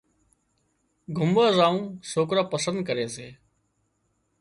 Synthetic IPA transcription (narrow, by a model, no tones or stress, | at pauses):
ɡʱʊmaːzaːũːsoːkɾaːpəsənd̪̚kəɾeːseː